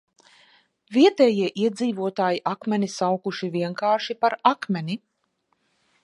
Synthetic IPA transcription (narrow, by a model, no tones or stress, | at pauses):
viɛt̪ɛːjiɛʔiɛd̪ziːvuɔt̪aːjiʔakmɛnisawkuʃiviɛŋkaːʃipaɾakmʲɛni